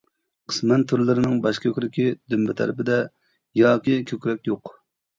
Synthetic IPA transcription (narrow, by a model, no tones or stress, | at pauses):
qʰə̥smɛnt̪ʰyɾlɪɾɪnɪŋbɑʃkʲʰøkʲɾɪkʲid̪ymbɪt̪ʰɛ̰ɾɪpɪd̪ɛ | jɑːkʲikʲʰøkʲɾɛkʲjoq